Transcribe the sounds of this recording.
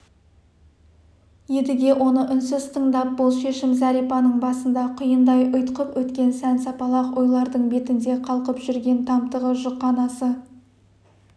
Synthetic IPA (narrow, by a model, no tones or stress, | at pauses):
jed̪ɪɡʲe̞wʔo̞nəʔʏnsɪzt̪ʰəɴd̪ɑp̚bʊlˠʃe̞ʃɪmzɑɾijpɑnəɴbɑsənd̪ɑqʰʊjənd̪ɑjʔʊjt̪qəpwɵt̪kʲe̞nsænsɑpɑlˠɑqwo̞jlˠɑɾd̪əɴbe̞t̪ɪnd̪e̞qʰɑlˠqəpʒ̥ʏɾɡʲe̞nt̪ʰɑmt̪əʁəʒʊqːɑnɑsə